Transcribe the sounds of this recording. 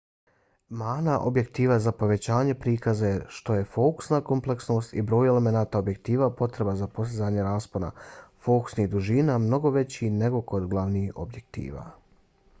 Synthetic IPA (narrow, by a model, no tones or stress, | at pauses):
maːnaʔobje̞kt̪iːʋazapo̞ʋe̞t͡ɕaːɲe̞pɾiːkazajeʃt̪o̞je̞fo̞ku̥snako̞mple̞ksno̞ːst̪ḭbɾo̞ːjele̞me̞naːt̪aobje̞k̚t̪iːʋapo̞t̪ɾe̞bazapo̞sizaːɲe̞ɾaːspona̰fo̞ku̥sniɣd̪uʒiːnamno̞ɡo̞ʋe̞t͡ɕine̞ɡo̞ko̞d̪ɡlˠaʋniːo̞̰bje̞k̚t̪ḭːʋa̰